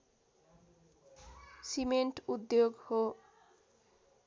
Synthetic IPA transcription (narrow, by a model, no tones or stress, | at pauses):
simeɳʈud̪joɡho